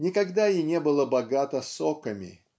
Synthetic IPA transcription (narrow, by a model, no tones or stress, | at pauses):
nʲɪkɐɡd̪ainʲebɨlˠəbɐɡat̪əsokəmʲɪ̰